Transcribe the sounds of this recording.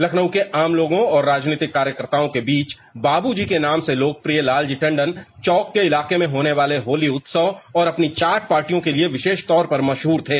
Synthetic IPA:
lɐkʰnəwkeʔaːmloːɡõɔːɾːaːd͡ʒneːt̪ɪkːaːɾjəkəɾt̪aːõkebiːt͡ʃ | baːbud͡ʒikenaːmseloːk̚pɾijəlaːld͡ʒɪʈə̃ɳɖənt͡ʃɔːkːeɪlaːqemẽɦoːneʋaːleɦoːliʊt̪səɔːɾɐpnit͡ʃaːʈ̚paːɾʈijõkelieʋɪʃeːʃt̪ɔːɾpɐɾmɐʃɦuːɾt̪ʰeː

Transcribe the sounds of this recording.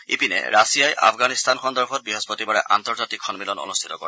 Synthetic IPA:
ḭpinɛ̰ɹasijajʔa̰pʰɡanist̪anxɔndɔɹpʰɔt̚bɹiɦɔspɔtibaɹɛʔa̰ntɔɹzatikʰɔnmilɔnɔ̰nust̪ʰi̥tɔkɔɹɛ

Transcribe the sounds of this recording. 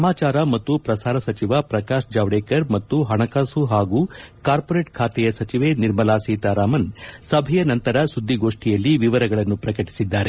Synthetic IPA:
ɐmaːt͡ʃaːɾɐmɐt̪ːupɾɐsaːɾɐsɐt͡ʃiʋapɾɐkaːʃd͡ʒaːʋɽeːkɐɾmɐt̪ːuɦɐɳɐkaːsuɦaːɡuːkaːɾpoːɾeːʈkʰaːt̪ɛjɐsɐt͡ʃiʋeniɾmɐlaːsiːt̪aɾaːmɐnsɐbʱɛjɐnɐnt̪ɐɾɐsud̪ʱːiɡoːʂʈijɐlːiʋiʋɐɾɐɡɐɭɐnːupɾɐkɐʈi̥sid̪ːaːɾe

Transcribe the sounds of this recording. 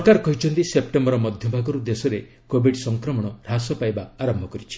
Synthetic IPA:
kaɾkɔɦit͡ʃʰɔnt̪isep̚ʈembɔɾɔmɔd̪ʱjɔbʱaɡɔɾud̪esɔɾe | kobʱiɖsɔŋkɾɔmɔɽ̃ɔɾasɔpajbaaɾɔmbʱɔkɔɾit͡ʃʰi̥

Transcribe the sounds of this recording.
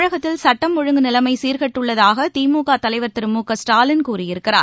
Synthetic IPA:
ɻɐɣɐt̪ːɪlsɐʈːɐmːɔɻɯŋɡɯnɪlɐmɐɪsiːɾɣɐʈːɯɭːɐðaːɣɐt̪iːmuːɣaːt̪ɐlɐɪʋɐɾt̪ɪɾɯmuːkɐsʈaːlɪnkuːrɪjɪɾɯkːɪra̰ː

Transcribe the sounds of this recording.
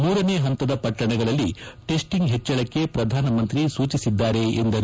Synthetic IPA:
muːɾɐneːɦɐnt̪ɐd̪ɐpɐʈːɐɳɛɡɐɭɐlːiʈe̞sʈiŋɡɦet͡ʃːɐɭɐkːe̞pɾɐd̪ʱaːnɐmɐnt̪ɾisuːt͡ʃisid̪ːaːɾe̞end̪ɐɾ

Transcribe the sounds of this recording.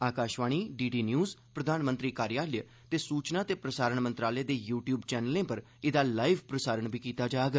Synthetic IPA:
aːkaːʃʋaːɳ̃iːɖiːɖiːnjuːzpɾəd̪ʱaːnmə̃nt̪ɾiːkaːɾjaːləj | t̪eːsuːt͡ʃnaːt̪eːpɾəsaːɾəɳmə̃nt̪ɾaːleːd̪eːjuːʈjuːbt͡ʃɛːnəlẽːpəɾ | ɪd̪aːlaːiʋpɾəsaːɾəɳbiːkiːt̪aːd͡ʒaːɡ

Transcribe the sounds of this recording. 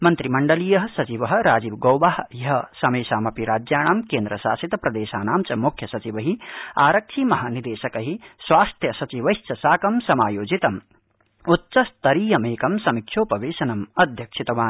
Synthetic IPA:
mɐnt̪ɾimɐɳɖɐlijɐɦɐsɐt͡ʃiʋɐɦɾaːd͡ʒiʋɡɐːwbaɦjɐɦɐsɐmeːsaːmɐpiɾaːd͡ʒjaːɽ̃aːmkeːnd̪ɾɐsa̰ːsit̪ɐpɾɐd̪eːʃaːnaːmt͡ʃɐmukʰjɐsɐt͡ʃiʋɐɦiaːɾɐk̚t͡ʃʰimɐɦanid̪eːʃɐkɐɦiswaːst̪ʰjɐsɐt͡ʃiʋɐjst͡ʃɐsaːkɐmsɐmaːjoːd͡ʒit̪ɐm | ut̪ːt͡ʃɐst̪ɐɾiːjɐmeːkɐmsɐmikʃʰjoːpɐʋeːsɐnɐmɐd̪ʱjɐkt͡ʃʰit̪ɐʋaːn

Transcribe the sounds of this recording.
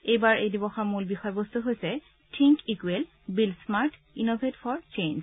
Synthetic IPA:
ejbaɹejdibɔxɔmulbixɔjbost̪uɦojsɛ | tʰiŋkikwel | bilsmaɹtʰ | inobʱetfɔɹt͡ʃens

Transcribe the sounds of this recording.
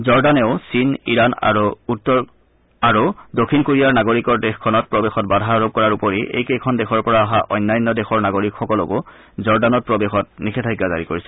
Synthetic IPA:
zɔɹdanɛʊsiniɹana̰ɹuutːɔ | aɹudokʰːinkoɹijaɹnaɡoɹikɔɹdexkʰːɔnɔt̚pɹɔbexɔtbadʱaɹob̚kɔɹaɹupɔɹiʔḛjkejkʰɔndɛxʰɔɹpɔɹaaɦaʔɔ̰jnːajnːɔdexɔɹnaɡoɹikxɔkɔlɔ̰ko | zɔɹdanɔt̚pɹɔbexɔt̚nikʰɛtʰajɡːaza̰ɹikoɹisɛ

